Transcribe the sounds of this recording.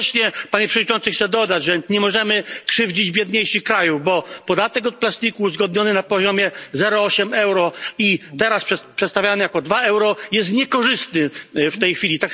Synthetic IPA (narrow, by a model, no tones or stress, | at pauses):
t͡ɕɲɛpaɲɛpʂɛɔdɲit͡ʂɔnt̪sɨxt̪sɛd̪ɔd̪ad͡ʑʐɛɲɛmɔʐɛmɘkʂɘvd͡ʑid͡ʑbʲjɛd̪ɲejʂikɾajuvbɔpɔd̪at̪ɛkɔt̪̚plast̪ikuːzɡɔd̪̚ɲɔnɘnapɔʑɔmʲjɛzɛɾɔɔɕɛmɛwɾɔit̪ɛɾaspʂɛpʂɛt̪st̪avʲjanɘjakɔd̪vaɛwɾɔjɛst̪ɲɛkɔʐɘst̪nɘft̪ɛjxfʲilʲit̪ak